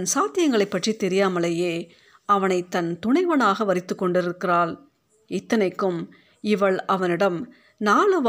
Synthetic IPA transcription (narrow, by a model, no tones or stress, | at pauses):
nsaːt̪ɪjɐŋɡɐɭɐɪpːɐʈrit̪ːɛɾɪjaːmɐɭejeː | ɐʋɐnɐɪt̪ːɐnt̪ʊɳɐɪʋɐnaːɣɐʋɐɾɪt̪ːɯkːɔɳɖɪɾɯkːɪraːl | ɪt̪ːɐnɐɪkːɯm | ɪʋɐɭɐʋɐnɪɽɐm | naːɭɯʋ